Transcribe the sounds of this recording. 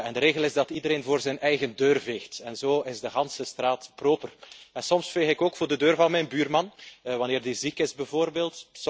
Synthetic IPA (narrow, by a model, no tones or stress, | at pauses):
ɛndəɾeːɣəlˠɪzdɑtidəɾeːnvoːrzɛjnɛjɣəndøːrveːxtɛnzoːɪzdəɣɑnsəstraːtproːpərɛnsɔmsfeːxɪkoːkfoːrdədøːrvɑnmɛjnbyːrmɑnʋɑnɪːrdizikɪzbəvoːrbeːlˠts